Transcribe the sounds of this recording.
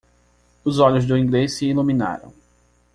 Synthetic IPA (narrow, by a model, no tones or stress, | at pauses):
ʊzɔʎʊzd̪ʊĩɡlesɪilumĩna̰ɾɐ̰̃w̃